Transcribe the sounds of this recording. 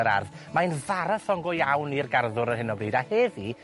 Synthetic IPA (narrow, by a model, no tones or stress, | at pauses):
əɾa̰rðmajnvaɾaθɔŋɡɔjawnirɡarðʊɾərɦɪnɔbriːdaheːði